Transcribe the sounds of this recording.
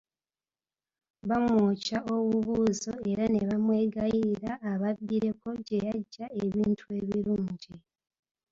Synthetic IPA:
βamwwoːcaʔo̞βuβuːzo̞e̞ɾane̞βamwe̞ːɡajiɾaːβaβːiɾe̞ko̞ɟe̞jaɟːae̞βiːntʰue̞βiɾuːɲɟi

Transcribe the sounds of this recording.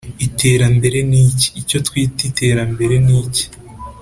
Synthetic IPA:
itʰe̞ːɾambe̞ɾe̞nici̥ːco̞twiːtite̞ːɾambe̞ɾe̞niːci̥

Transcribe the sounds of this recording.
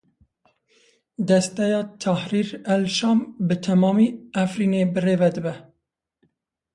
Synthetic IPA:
d̪ɛst̪ɛjɑːt̪ʰæhɾiːɾælʃɑːmbɨt̪ʰɛmɑːmiːʔæfɾiːneːbɨreːvɛd̪ɨbɛ

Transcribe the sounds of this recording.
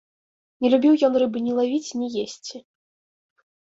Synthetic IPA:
nʲɛlʲubʲiwjɔnrɨbɨnʲɛlˠavʲit͡sʲnʲɛjesʲt͡sʲi

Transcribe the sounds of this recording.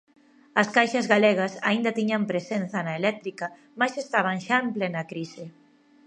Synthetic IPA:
ɐskajʃɐzɣaleɣ̞ɐsaind̪ɐt̪iɲampɾesenθɐnaelɛk̚t̪ɾikɐ | majsest̪aβ̞aŋʃaemplenɐkɾisɪ

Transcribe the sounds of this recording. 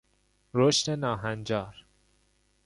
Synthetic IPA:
ɾoʃt̪enɒːɦænd͡ʒɒːɾ

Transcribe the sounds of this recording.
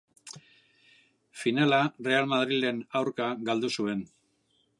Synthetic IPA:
finalare̞almaðɾile̞nawɾkaɡald̪usue̞n

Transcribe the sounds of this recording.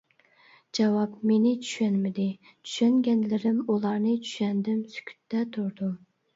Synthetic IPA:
d͡ʒɑwɑpmenɪt͡ʃʰy̥ʃɛnmɪd̪ɪ | t͡ʃʰy̥ʃɛŋɡʲɛnlɪɾɪmulˠɑɾnɨt͡ʃʰy̥ʃɛnd̪ɪmsy̥kʲʰy̥t̪ːɛt̪ʰuɾd̪u

